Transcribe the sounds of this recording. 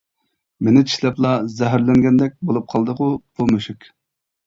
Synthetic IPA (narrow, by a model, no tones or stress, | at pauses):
menɪt͡ʃʰi̥ʃlɛplˠɑzɛɦæɾlɛŋɡʲɛnd̪ɛk̚ʲbolˠup̚qʰɑlˠd̪əqʊpʰulˠmøʃykʲ